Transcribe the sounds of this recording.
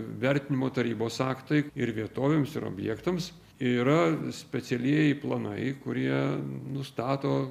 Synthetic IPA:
ʋʲæɾʲt̪ʲɪnʲɪmoːt̪ɐɾʲiːboːsɑːkt̪ɐɪɪɾʋʲiɛt̪oːʋʲeːmsɪ̰ɾo̰bʲjɛːkt̪ɐms | iɾɐsʲpʲɛsʲɛlʲiɛjɛɪplˠɐnɐɪkʊɾʲiɛnʊst̪ɑːt̪oː

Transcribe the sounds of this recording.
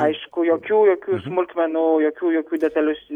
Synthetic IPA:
ɐɪʃkʊjokʲuːjokʲuːsmʊlʲt̪ʲmʲɛnʊjɔkʲuːjokʲuːd̪ʲɛt̪ɐlʲʊsʲ

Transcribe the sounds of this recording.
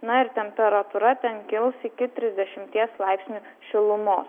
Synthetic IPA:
nɐɪɾt̪ʲɛmʲpʲɛɾɐt̪uɾɐt̪ʲɛnkʲɪlˠsɪkʲɪt̪ʲɾʲɪzʲd̪ʲɛʃʲɪmʲt̪ʲiɛslˠɑɪpʲsʲnʲu | ʃʲɪlˠʊmoːs

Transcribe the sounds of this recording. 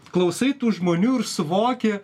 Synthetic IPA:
klˠɐʊsɐɪt̪uːʒmoːnʲuːɪɾsʊʋoːkʲe

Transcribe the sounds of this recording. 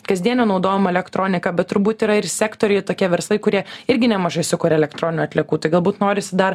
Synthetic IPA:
kɐzʲd̪ʲiɛnʲonɒʊd̪oːjɛmɐɛlʲɛkt̪ɾoːnʲɪkɐbʲɛt̪t̪ːʊɾbuːt̪iːɾɐɪɾsʲæːkt̪oːɾʲɛjt̪oːkʲiɛʋʲɛɾslˠɐɪkʊɾʲiɛɪɾʲɡʲɪnʲɛmɐʒɐɪsʲʊkʊɾʲɛɛlʲɛkt̪ɾoːnʲɪnuːɐt̪ʲlʲɛkuːt̪ɐɪɡɐlˠbuːt̪noːɾʲɪsʲɪd̪ɐɾ

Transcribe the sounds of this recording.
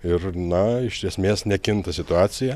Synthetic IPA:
ɪrnɐɪʃʲʃʲiɛsʲmʲeːsnʲɛkʲɪnt̪ɐsʲɪt̪ʊɑːsʲɪjɛ

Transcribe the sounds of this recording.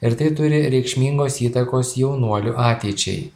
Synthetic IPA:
ɪɾt̪ɐɪt̪ʊɾʲɪɾʲɛɪkʃʲmʲiːŋɡoːsiːt̪ɐkoːsjɛʊnuɔlʲʊʔɑːt̪ʲɛːt͡ʃʲɛ̰ɪ

